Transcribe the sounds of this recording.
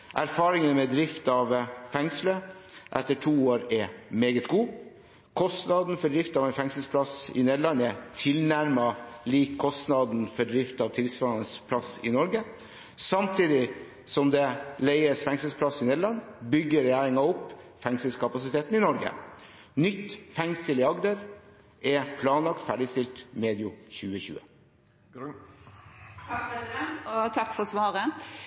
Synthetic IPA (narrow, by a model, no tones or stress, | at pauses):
ʔæ̰ɾfɑːɾɪŋənmɛd̪ɾɪft̪ɑʋfɛŋsləʔɛt̪ːəʈʰuːoːɾɛmeːɡət̪ɡuː | kʰɔst̪nɑd̪n̩fɔɖɾɪft̪ɑʋɛnfɛŋsəlspʰlɑsɪ̰neːd̪əlɑnɛt̪ʰɪlnæɾmɑliːkʰːɔst̪nɑd̪n̩fɔɖɾɪft̪ɑʋt̪ʰɪlsʋɑŋəspʰlɑsɪ̰nɔɾɡə | sɑmt̪ʰiːd̪ɪ | sɔmd̪ɛleɪəsfɛŋsəlspʰlɑsːɪneːd̪əɭɑnːbʏɡːəɾɛjæːɾɪŋɑɔpːfɛŋsəlskʰɑpɑsɪt̪ʰeːt̪n̩ɪnɔɾɡə̰ | nʏt̪ːfɛŋsəlɪɑɡd̪əɾ | ʔɛpʰlɑːnlɑkt̪fæːɖɪst̪ɪlt̪meːd̪ɪʊçʉːəçʉ̰ːə | ɔt̪ʰɑkːfɔsʋɑːɾə